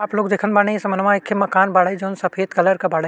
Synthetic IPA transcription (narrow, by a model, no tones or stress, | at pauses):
aːploːɡd̪eːkʰənbaːnẽesɐmənmãɪkʰːemɐkaːnbaːɽəid͡ʒoːnsɐpʰeːd̪kɐləɾkabaːɽə